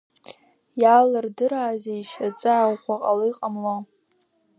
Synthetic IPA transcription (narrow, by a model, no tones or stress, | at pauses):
jalɨrdɨɾaːzeiʃat͡sʼɨʕawχʷaqʼalojqʼamlo